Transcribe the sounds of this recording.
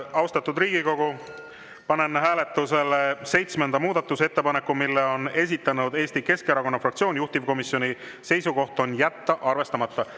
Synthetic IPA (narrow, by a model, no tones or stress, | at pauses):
ɑwst̪ɑt̪ːˑud̪riːɡ̥iko̞ɡ̥u | pɑne̞nɦæːle̞t̪ːˑuse̞lese̞jt̪smend̪̥ɑmuːd̪̥ɑt̪ːˑuse̞t̪ːe̞pɑne̞kːˑumilːeo̞ne̞s̬ʲit̪ːˑɑnud̪̥e̞ːst̪ike̞skeɾɑko̞nːɑfrɑk̚tsioːnʲjuht̪ivko̞misːjo̞nʲi | se̞jsuko̞ht̪o̞njæt̪ːɑʔɑrve̞st̪ɑmɑt̪ːˑɑ